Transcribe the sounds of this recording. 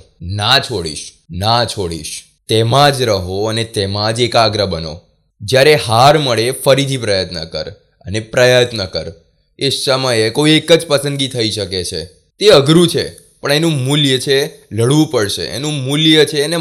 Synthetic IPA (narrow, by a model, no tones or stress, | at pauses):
nat͡ʃʰoɽḭʃ | nat͡ʃʰoɽḭʃ | t̪emãd͡ʒɾəɦoənet̪emãd͡ʒekaɡɾəbəno̰ | d͡ʒjaɾeɦaɾməɭefəɾit̪ʰipɾəjət̪nə̰kə̰ɾ | ə̰nepɾəjət̪nəkə̰ɾ | esəməjekoiekəd͡ʒpəsə̃nd̪ɡit̪ʰəiʃəket͡ʃʰḛ | t̪eəɡɾũt͡ʃʰḛ | pəɳ̃enũmuljət͡ʃʰeləɽʋũpəɭʃḛʔḛnũmuljət͡ʃʰeːne